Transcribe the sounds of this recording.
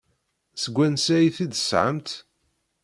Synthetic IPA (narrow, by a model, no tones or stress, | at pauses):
səɡʷːænsæjiθid̪əsʕə̰mt̪